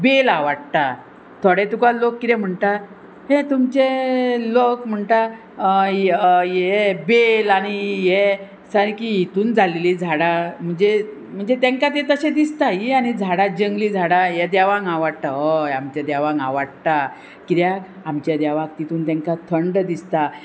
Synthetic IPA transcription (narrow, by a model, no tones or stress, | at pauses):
belaʋaɽt̪a | t̪ʰoɽet̪ukalokːit̪ɛm̤əɳʈ̪a | ɦẽt̪umt͡ɕelokm̤əɳʈ̪a | jebelanije | saɾkijit̪uːnd͡zʱalelid͡zʱaɽam̤əɳd͡ze | m̤əɳd͡zet̪ẽŋkat̪̬et̪əɕẽd̪ist̪ajiañid͡zʱaɽad͡ʑəŋɡlid͡zʱaɽajɛd̪aʋãŋɡaʋəɽt̪aɦəjamt͡ɕad̪aʋãŋɡaʋəɽt̪a | kid̪jak | amt͡ɕjad̪aʋakt̪it̪uːnt̪ẽŋkat̪ʰəɳɖd̪ist̪a